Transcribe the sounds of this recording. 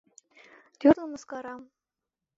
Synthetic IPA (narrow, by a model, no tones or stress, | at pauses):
t̪ʲyrlˠɤ̆mɤ̆skɑɾɑm